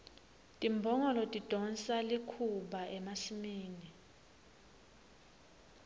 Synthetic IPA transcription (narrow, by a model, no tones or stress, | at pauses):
tʼimbʱɔŋɔlɔtʼid̥ʱɔnsalikʰuɓaʔɛmasimiːni